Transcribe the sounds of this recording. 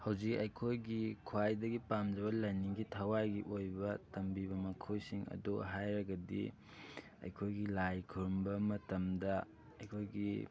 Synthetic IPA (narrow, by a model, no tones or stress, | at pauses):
hɐwzikɐjkʰojɡikʰwajdɐɡipamd͡ʒɐβɐlɐjniŋɡitʰawajɡiʔojbɐtɐmbiβɐmɐkʰojsiŋɐ̰doɦajɾɐɡɐdḭ | ɐ̰jkʰojɡilajkʰuɾmbɐmɐtɐmdɐ | ɐjkʰojɡi